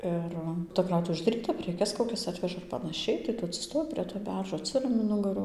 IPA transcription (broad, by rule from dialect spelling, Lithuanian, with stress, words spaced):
ˈɪr tɐ ˈkrɐʊtʊʋʲeː ʊʒdɐˈrʲiːtɐ pʲrʲɛˈkʲɛs koːˈkʲɛs ˈɑːtʲʋʲɛʒɐ ɪr pɐnɐˈʃʲɛɪ tɐɪ ˈtʊ ɐtʲsʲɪˈstoːjɪ pʲrʲiɛ toː ˈbʲɛrʒoː ɐtʲˈsʲɪrɐmʲɪ ˈnʊɡɐrʊ